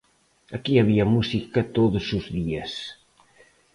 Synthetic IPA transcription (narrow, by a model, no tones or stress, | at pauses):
ɐkiɐβiɐmuzikɐt̪oðuzuzðiɐs